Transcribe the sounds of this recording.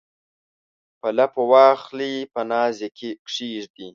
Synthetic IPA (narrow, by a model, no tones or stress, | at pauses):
pɐlapowɑːxlipənɑːzekʰekʂiːʐd̪i